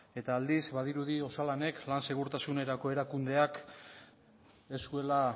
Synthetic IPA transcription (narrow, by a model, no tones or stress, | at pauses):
e̞t̪aːld̪izbaðiɾuðio̞salane̞klanse̞ɣ̞uɾt̪asune̞ɾako̞e̞ɾakund̪e̞ak | e̞sue̞la